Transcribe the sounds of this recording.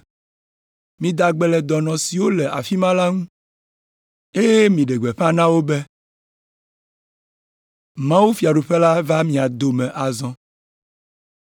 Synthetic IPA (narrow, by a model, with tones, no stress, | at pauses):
mĩ˨d̪a˨ɡ͡bɛ˨lɛ˨d̪ɔ˨nɔ̃˨si˨wo˦lɛ˨ʔa̰˨fi˦mã˦la˦ŋũ˦ | e˦jɛ˦mĩ˨ɖɛ˨ɡ͡bɛ˨ɸã˦nã˦wo˦bɛ˦ | mã˦wu˦fi˨a˨ɖu˨ɸɛ˦la˦va˦mĩ˨a˨d̪o˨mɛ̃˨ʔa˨zɔ̃˦